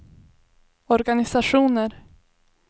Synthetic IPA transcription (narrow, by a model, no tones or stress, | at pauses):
ɔɾɡanɪsaʂuːnəɾ